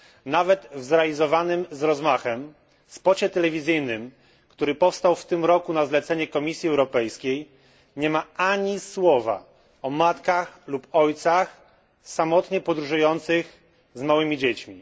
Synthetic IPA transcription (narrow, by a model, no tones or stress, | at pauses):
navɛt̪vzɾɛalʲizɔvanɘmzɾɔzmaxɛm | spɔt͡ɕɛt̪ɛlɛvʲizɘjnɘm | kt̪uɾɘpɔfst̪awft̪ɘmɾɔkunazlɛt̪sɛɲɛkɔmʲisʲjiɛwɾɔpɛjskʲej | ɲɛmaaɲiswɔva̰ | ɔmat̪kaxlupɔjt̪sax | samɔt̪ɲɛpɔd̪ɾuʐujɔnt̪sɘx | zmawɘmʲid͡ʑet͡ɕmʲi